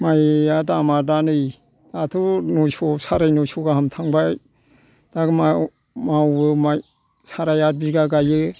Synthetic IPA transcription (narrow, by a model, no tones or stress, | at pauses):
majatamadanɯj | datʰunɔsɔsaɾajnɔsɔɡaɦamtʰaŋbaj | d̥aɡma | mawɯmaj | saɾajat̚biɡaɡajɯ